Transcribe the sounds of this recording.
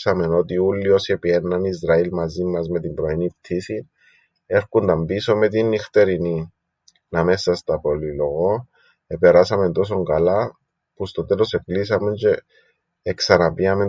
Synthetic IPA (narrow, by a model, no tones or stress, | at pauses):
same̞no̞t̪iulːio̞se̞pienːɐnizɾɐilmɐzimːɐzme̞t̪imbɾo̞inip̚t̪ʰisin | e̞ɾkund̪ɐmbiso̞me̞t̪̬inːixt̪e̞ɾini | nɐme̞sːɐst̪ɐpo̞lilo̞ɣo̞ | epe̞ɾasɐme̞nt̪o̞s̬o̞ŋɡala | pust̪o̞t̪e̞lo̞se̞plisɐme̞nce̞ː | ksanapiame̞